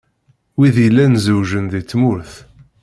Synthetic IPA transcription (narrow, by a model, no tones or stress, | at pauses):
wiðijəlːænzəwʒənðit͡sːmʊɾθ